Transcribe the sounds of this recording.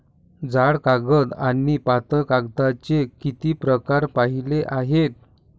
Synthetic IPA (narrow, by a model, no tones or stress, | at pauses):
d͡zaɽkaɡəd̪anipat̪əkaɡd̪at͡ɕekit̪iːpɾəkaɾpaɦileʔaɦet̪̚